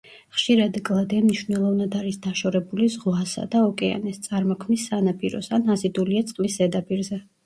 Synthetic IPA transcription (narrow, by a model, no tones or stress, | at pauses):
χʃiɾad̪ɡʼlˠad̪ɛmniʃvnɛlˠɔvnad̪aɾisd̪aʃɔɾɛbulizʁwasa̰d̪aɔkʼɛa̰nɛst̪sʼaɾmɔkʰmisːanapʼiɾɔ̰sanazid̪uliat̪sʼqʼvisɛd̪apʼiɾzɛ